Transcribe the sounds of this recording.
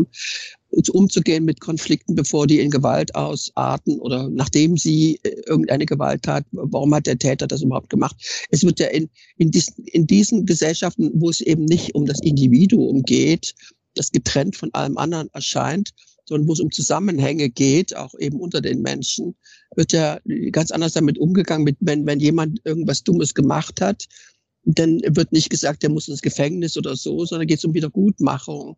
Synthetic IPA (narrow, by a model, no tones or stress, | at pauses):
m | ɪsʔʊmt͡suɡeːənmɪtkʰɔnflɪk̚tn̩bəfoːɐdiːɪnɡəva̰ltʔa̰ʊsʔa̰ːtn̩ʔo̰ːdɐnaːχd̥eːmziːʔɪɐɡŋ̩tʔaɪnəɡəva̰ltʰːa̰ːtvaʁ̞ʊmhat̚d̥eːɐtʰɛːtɐdas̬yːbɐhʊp̚tɡ̥əmaχt̚ʔɛsv̥ɪɐtjaːʔɪn | ʔɪndiːzn̩ɪndiːzn̩ɡəzɛlʃaftn̩voːɛsʔeːbm̩nɪçtʔʊmdasʔɪndiviːduʊ̰mɡeːt | d̥asɡ̥ətʁ̥ɛntfɔnʔa̰ləmʔa̰ndɐənɛɐʃa̰ɪnt | z̥ɔndɐnvoːsʊmt͡suzamənhɛ̰ŋəɡeːtʰa̰ʊxʔeːbm̩ʔʊntɐdḛːnmɛ̰nʃn̩ | vɪɐtj̥aːɡ̥ant͡sʔa̰ndɐsd̥amɪtʔʊmɡəɡaŋənmɪtvɛnvɛnjeːmantʔɪɐɡŋ̩tv̥asd̥ʊməsɡ̥əma̰χthat | d̥anvɪɐtnɪçtɡ̥əzaːk̚td̥eːɐmʊsɪnsɡ̥əfɛŋnɪsʔoːdɐzoːzɔndɐnɡeːtsʊmviːdɐɡ̥uːtma̰χʊŋ